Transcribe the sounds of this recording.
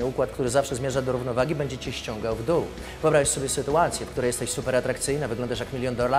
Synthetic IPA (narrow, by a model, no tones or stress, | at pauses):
ɘukwat̪kt̪uɾɘzafʂɛzmʲjɛʐad̪ɔɾuvnɔvaɡʲibɛɲd͡ʑɛt͡ɕɛɕt͡ɕɔ̃ŋɡawvd̪uu | vɔbɾaasɔbʲjɛsɘt̪uat̪sʲjɛfkt̪uɾɛjɛst̪ɛɕsupɛɾat̪ɾakt̪sɘjnavɘɡlɔnd̪aʂjakmʲilʲjɔnd̪ɔla